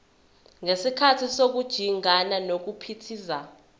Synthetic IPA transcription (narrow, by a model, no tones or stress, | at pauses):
ŋesikʰatʰisok̬ud̥ʒ̥ʱiŋananok̬upʰitʰiːza